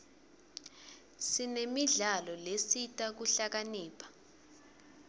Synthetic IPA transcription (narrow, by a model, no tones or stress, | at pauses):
sinemiɮalɔlesitʼak̬uɬak̬aniːpʰḁ